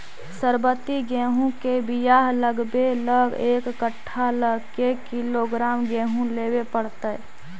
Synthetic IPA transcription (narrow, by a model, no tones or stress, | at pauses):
səɾbət̪iɡɛ̃ːɦũkebijaɦləɡbeləɡeːkːəʈʰːaləɡkekiloɡɾaːmɡɛːɦũlewepəɽt̪ə